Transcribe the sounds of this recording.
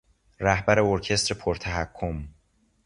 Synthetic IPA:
ɾæhbæɾeoɾcʰe̞st̪ɾepʰoɾt̪ʰæɦækʰːom

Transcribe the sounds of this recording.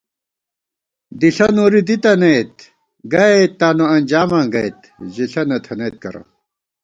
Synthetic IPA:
d̪iɬɐnoɾid̪it̪ɐneːt̪ | ɡɐet̪ːaːnoɐnʲd͡ʑaːmãːɡɐjt̪̚ | ziɬɐnɐt̪ʰɐnet̪̚kɐɾɐ̰

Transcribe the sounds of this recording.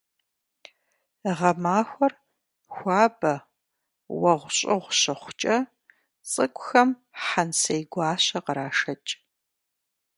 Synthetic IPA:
ʁɐmaːxʷɔr | xʷɑːbɐ | wɐʁʷʊɕʼɪʁʷʊɕɨχʷt͡ʃʼɐ | t͡sʼɨkʷʼʊxɐm | ħansɐjɡʷɑːɕɐqəɾaːʂɐt͡ʃʼ

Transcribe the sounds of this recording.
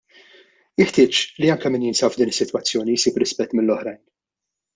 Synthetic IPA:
ɪħt̪ɪːt͡ʃliɐŋkɛmɪnjɪnsɐvd̪iːnɪsːɪt̪wɐt͡sːjɔːnijsiːpɾɪspɛt̪ːmɪnlːɔħɾɐjn

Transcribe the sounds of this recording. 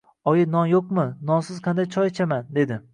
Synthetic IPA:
ɒjɪnɒnjoqmɪnɒnsɪz̥qʰɑnd̪ajt͡ʃʰɒjt͡ʃʰamand̪e̞d̪ɪ

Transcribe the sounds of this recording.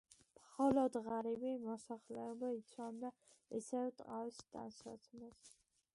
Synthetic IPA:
mχɔlɔd̪ʁaɾibimɔsaχlɛɔbait̪sʰwand̪aisɛvt̪ʼqʼavɛsd̪ʰʼa̰nsa̰t̪sʰmɛs

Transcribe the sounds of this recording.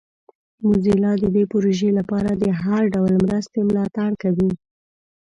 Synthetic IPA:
muzilɑd̪əd̪epoɾoʒelapɑɾad̪əɦaɾɖawlmɾəst̪emlɑt̪aɽkawi

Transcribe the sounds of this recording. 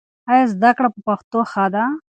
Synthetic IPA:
ajazd̪akɽapəpaxt̪oxad̪a

